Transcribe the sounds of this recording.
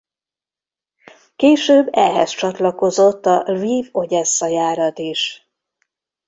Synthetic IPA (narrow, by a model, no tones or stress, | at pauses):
keːʃøːbːɛ̰ɦɛst͡ʃɒt̪lɒko̞zo̞t̪ːɒlviːvo̞ɟɛsːɒjaːɾɒt̪eːʃ